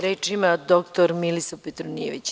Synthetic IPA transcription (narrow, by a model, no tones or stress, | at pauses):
ɾeːt͡ʃimad̪okt̪oɾmilisopet̪ɾonieʋit͡ɕ